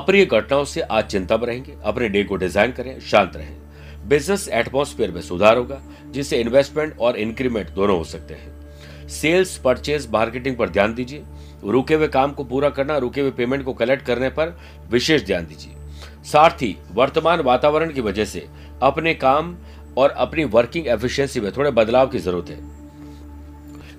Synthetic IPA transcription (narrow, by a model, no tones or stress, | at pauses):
ɐpɾijəɡʱɐʈnaːõseʔaːt͡ʃɪ̃nt̪abɾɐɦẽːŋɡeɐpneɖeːkoɖɪzaːɪnkɐɾẽʃãːnt̪ɾɐ̰ɦḛ̃ː | bɪznəsɛːʈmoːsfʰeːəɾmẽsʊd̪ʱaːɾɦoːɡa | d͡ʒɪsːeɪ̃nʋeːsʈmẽɳʈɔːɾɪ̃nkɾimẽɳʈ̚d̪oːnõɦosɐk̚t̪ḛɦɛ̰̃ː | seːlspɐɾt͡ʃeːzmaːɾkeːʈ̬ɪ̃ŋɡ̚pɐɾd̪ʱjaːnd̪iːd͡ʒieː | ɾuːkeʋekaːmkopuːɾakɐɾnaɾuːkewepeːmẽɳʈ̚kokɐlɛk̚ʈ̚kɐɾnepɐɾ | ʋɪʃeːʃd̪ʱja̰ːnd̪iːd͡ʒiḛː | saːɾt̪ʰi | ʋɐɾt̪əmaːnʋaːt̪aːʋəɾəɽ̃kiʋɐd͡ʒɛɦsḛ | ɐpnekaːm | ɔːɾɐpniʋɐɾkɪ̃ŋɡeːfʰɪʃɛ̃nsimẽt̪ʰoːɽebɐd̪laːʋkizɐɾuːɾət̪ɦɛ̰̃ː